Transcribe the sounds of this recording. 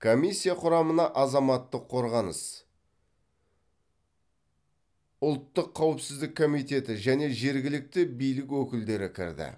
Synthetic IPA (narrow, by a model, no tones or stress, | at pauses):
kʰomisʲːijaqʰʊɾɑmənɑʔɑzɑmɑt̪ːəqʰːo̞ɾʁɑnə̰s | ʊlˠt̪ːəqʰːɑwɪpsɪzd̪ɪkʰːo̞mijt̪e̞t̪ɪʒæne̞ʒe̞ɾɡʲɪlɪk̚t̪ɪbijlɪkwɵkʲɪld̪e̞ɾɪkʲʰɪ̰ɾd̪ɪ̰